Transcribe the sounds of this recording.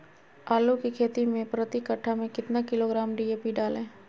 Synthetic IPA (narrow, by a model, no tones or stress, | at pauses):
aːlukikʰeːt̪imẽpɾət̪ikəʈʰːamẽkɪt̪nakɪloɡɾaːmɖiːeːpiɖaːlẽː